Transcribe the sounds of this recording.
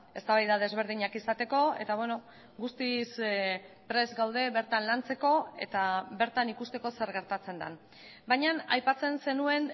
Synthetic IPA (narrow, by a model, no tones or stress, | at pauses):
e̞st̪aβajðað̞e̞zβ̞e̞ɾðiɲakisat̪e̞ko̞e̞̰t̪aβeno̞ | ɣust̪is | pɾe̞zɡawð̞e̞βe̞ɾt̪anlant͡se̞ko̞e̞̰t̪aβe̞ɾt̪anikust̪e̞ko̞se̞ɾɣe̞ɾt̪at͡se̞nd̪a̰n | bajɲana̰jpat͡se̞nse̞nue̞n